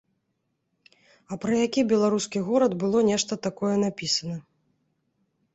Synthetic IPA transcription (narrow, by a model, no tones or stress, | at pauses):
ɐpɾɐjakʲibʲɛlˠaɾuskʲiɣɔɾɐd̪bɨlˠɔnʲɛʂt̪ɐt̪akɔjɛnapʲisɐnɐ